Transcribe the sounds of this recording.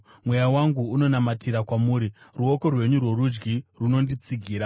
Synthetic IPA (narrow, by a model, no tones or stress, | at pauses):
mwe̞jawaŋɡuːno̞namatʰiɾakwamuːɾiruo̞ko̞rwe̞ɲurwe̞rud͡ʒɡiruno̞ndit͡siɡʱiːɾa